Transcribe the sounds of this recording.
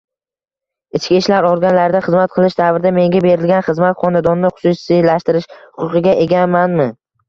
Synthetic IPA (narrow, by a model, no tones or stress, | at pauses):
ɪt͡ʃkʲiʃlaɾɒɾɡʲanlaɾɪd̪aχɨzmat̪qʰɨlˠɪʃd̪avɾɪd̪ame̞ŋɡʲabe̞ɾɪlɡʲanχɨzmat̪qʰɒnad̪ɒnːɪχʊ̥sʊsilaʃt̪ɪɾɪʃhʊ̥qʊqɨɡʲaʔeɡʲamanmɪ